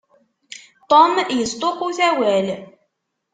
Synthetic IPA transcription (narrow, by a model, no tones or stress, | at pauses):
t̪ˤomjəst̪ˤoquθæwæl